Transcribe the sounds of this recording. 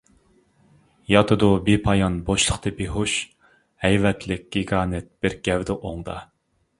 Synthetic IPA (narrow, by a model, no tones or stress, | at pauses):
jɑt̪ʰɨd̪ubepʰɑjɑnboʃlˠəχt̪ʰɨbeɦoʃ | hɛjvɛt̪ʰlɪk̚ʲɡ̥ʲiɡɑːnɛt̪̚b̥ɪɾɡʲɛwd̪ɨʔoŋd̪ɑ̰